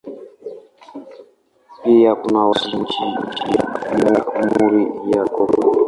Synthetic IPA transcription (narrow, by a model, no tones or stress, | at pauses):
pijakunawaʒind͡ʒitijainamuɾijakɔbɔ